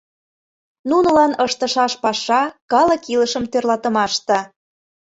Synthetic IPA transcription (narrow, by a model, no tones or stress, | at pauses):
nunɤ̆lɑnɤʃt̪ə̆ʃɑʃpɑʃɑkɑlə̆kiləʃə̆mt̪ørlɑt̪ə̆mɑʃt̪ɑ̆